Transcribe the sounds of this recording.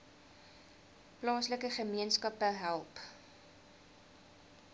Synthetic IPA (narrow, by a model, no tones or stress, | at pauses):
plɑːsləkəχəmiənskɐpəɦælˠp